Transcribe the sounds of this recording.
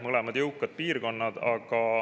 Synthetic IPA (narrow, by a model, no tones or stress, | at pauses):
mɤlemɑd̪̥jɤwkːˑɑd̪̥̚piːrko̞nːɑd̪ɑ̰ɡ̥ɑ